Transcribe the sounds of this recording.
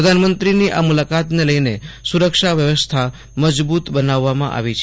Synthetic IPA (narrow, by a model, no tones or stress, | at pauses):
ɾəd̪ʱanmənt̪ɾiniʔamulakat̪neləjnesuɾəkʃaʋjəʋəst̪ʰa | məd͡ʒbut̪bənaʋːamã̰ʔa̰ʋit͡ʃʰ